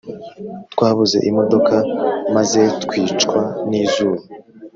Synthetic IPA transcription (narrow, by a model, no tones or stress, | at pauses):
t̪kwaːβuze̞̰ʔimo̞do̞kamaze̞tkwiːt͡ʃkwaniːzuːɾo